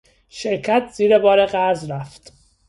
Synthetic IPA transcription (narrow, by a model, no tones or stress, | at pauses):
ʃeɾcʰæt̪ʰz̥iːɾebɒːɾeɣæɾzɾæft̪